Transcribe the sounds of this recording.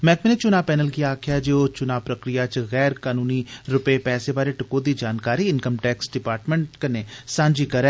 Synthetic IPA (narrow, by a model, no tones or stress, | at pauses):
mɛ̃ːkmeneːt͡ʃʊnaːpɛːnəlkiaːkʰɪjaːd͡ʒeːoːt͡ʃʊnaːpɾəkɾɪjaːt͡ʃɣɛːɾkaːnuːniːɾʊpeːpɛːseːbaːɾeːʈəkoːd̪iːd͡ʒaːnkaːɾiːɪnkəmʈɛːksɖɪpaːɾʈmə̃ɳʈkəneːsãːɲd͡ʒiːkəɾɛː